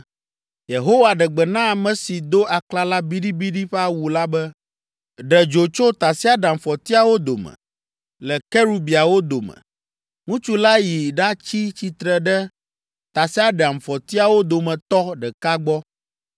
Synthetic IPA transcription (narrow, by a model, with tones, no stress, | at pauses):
je˨ɦo˦wa˨ɖɛ˨ɡ͡bɛ˨nã˦a˨mɛ̃˨si˨d̪o˦ʔa˨kla˦la˦bi˦ɖi˦bi˦ɖi˦ɸa˦˨wu˨la˦bɛ˦ | ɖɛ˨d͡ʒo˨t͡ʃo˦t̪a˨si˦a˦ɖɛ˨a˨m̩˨fɔ˨t̪i˦a˨wo˦d̪o˨mɛ̰˨ | lɛ˨kɛ˦ɾu˦bi˨a˨wo˦d̪o˨mɛ̰̃˨ | ŋũ˦t͡ʃu˦la˦ji˨ɖa˦t͡ɕi˦t͡ɕi˦t̪ɾɛ˨ɖɛ˦ | t̪a˨si˦a˦ɖɛ˨a˨m̩˨fɔ˨t̪i˦a˨wo˦d̪o˨mɛ̃˨t̪ɔ˦ɖɛ˨ka˦ɡ͡bɔ˦